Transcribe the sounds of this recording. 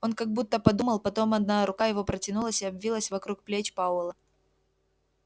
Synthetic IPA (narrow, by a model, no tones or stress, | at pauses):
o̞nkɐɡ̚but̪ːəpɐd̪uməlˠpɐt̪o̞mɐd̪naɾʊkajɪvo̞pɾətʲɪnulˠəsʲɪɐbvʲilˠəsʲvɐkɾuk̚plʲet͡ɕpaʊlˠə